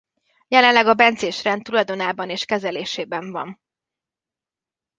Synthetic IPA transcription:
jɛlɛnlːɛɡɒbɛnt̪zeːʃrɛnt̪ːulɒjd̪o̞naːbɒneːʃkɛzɛleːʃeːbɛɱvɒ̰n

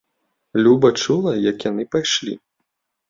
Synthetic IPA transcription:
lʲubɐt͡ʂulˠɐjɐkjanɨpajʂlʲḭ

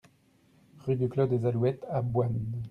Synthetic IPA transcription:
ʁyd̪yklɔd̪ezalwɛt̪abwan

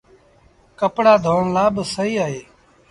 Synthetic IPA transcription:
kəpɽaːd̪ʱoːɳlaːbsəɦiːaːɦeː

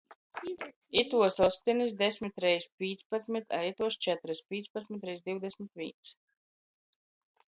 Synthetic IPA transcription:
it̪uɔsɔst̪inisd̪ɛsʲmit̪ɾɛjspʲiːt̪spat̪smit̪ʰa̰jt̪uɔst͡ʃɛt̪ɾɨspʲiːt̪spat̪smit̪ɾɛjsd̪iwd̪ɛsmit̪vʲḭːns

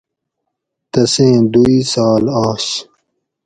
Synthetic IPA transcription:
t̪ɐsẽːd̪uiːsaːlaːs

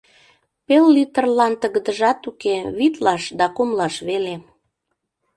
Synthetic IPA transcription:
pelːit̪ərlɑnt̪əɣəd̪əʒɑt̪ukeβit̪lɑʃd̪ɑkumlɑʃβele

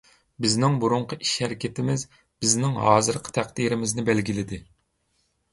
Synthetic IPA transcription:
bɪznɪŋbuɾuɴqʰəʔiʃhɛɾɪkʲʰet̪ɪmɪz | b̥ɪznɪŋɦɑːzɨɾqʰə̥t̪ʰæχd̪iɾɪmɪznɪbælɡʲilɪd̪ɪ

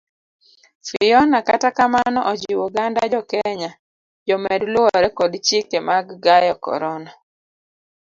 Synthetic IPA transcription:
fɪjɔnakatakamanɔʔɔd͡ʒiuɡandad͡ʒɔkɛɲa | d͡ʒɔmɛdlʊɔɾɛkɔdt͡ʃikemaɡːajɔkɔ̰ɾɔna

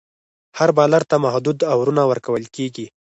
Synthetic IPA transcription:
haɾbɑlaɾt̪amahd̪ud̪awɾunawəɾkawəlkeɡi

